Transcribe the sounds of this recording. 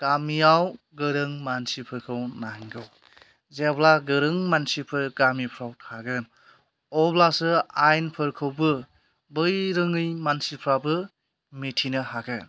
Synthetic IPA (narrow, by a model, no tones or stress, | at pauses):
ɡ̥amiaw | ɡɯɾɯŋmansipʰɯɾkʰɯwnaŋɡɯw | zeblaɡɯɾɯŋmansipʰɯɾɡamipʰɾawʰaɡɯn | ɔblasɯajnpʰɯɾkʰɯwbɯ | bɯjɾɯŋɯjmansipʰɾabɯ | mitʰinɯhaɡɯ